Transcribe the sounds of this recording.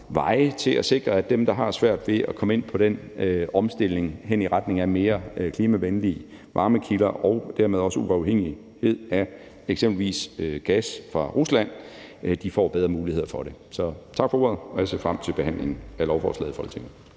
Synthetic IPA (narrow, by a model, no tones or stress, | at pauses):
ʋɑ̈ɪət͡sʰe̝læse̝ɡ̥ʁɐæd̥emd̥ɑ̈ɦɑ̈sʋæɐ̰d̥ʋe̝ʔækʰɒ̽məe̝n̰pʰɒ̽ɾ̥en | ɒ̽msd̥e̝l̰e̝ŋɦeniʁad̥ne̝ŋæme̝ːɐkʰliːmæʋenliː | ʋɑ̈ːməkʰilɐʔɒʊd̥æɐmeð̞ˠɒ̽səuɑ̈ʊheŋ̰i | he̝ð̞̰ˠæ | eɡ̥semb̥l̩ʋḭːsɡ̥æsfʁɑ̈ʁuslæn̰d̥ifɒ̰ːb̥eð̞ˠʁɐmuːlihe̝ð̰ˠɐfɒ̽ɾ̥e̝sɒ̽t͡sʰɑ̈ɡ̥fɒ̽o̝ɐ̰ðˠɒjæse̝ɐfʁam̰t͡sʰe̝lb̥e̝ɦæn̰le̝ŋ̩ælɒʊfɒ̰ːslɛ̰ð̩ˠfɒ̽l̰t͡sʰeŋ̩